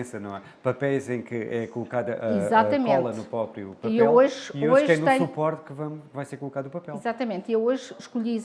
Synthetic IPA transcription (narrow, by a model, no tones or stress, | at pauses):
ẽsɐnɐ̃w̃ɛ | pɐpɛjzẽj̃kɨɛkulˠukaðɐʔɐizat̪ɐmẽɔnlˠɐnupɾɔpɾjupɐipewloʒiooʒkɛ̃nut̪ɛ̃ɲsupɔɾt̪kɨvɐ̃w̃vajseɾkulˠukaðupɐpɛlizat̪ɐmẽnt̪iewoʒʃkuʎii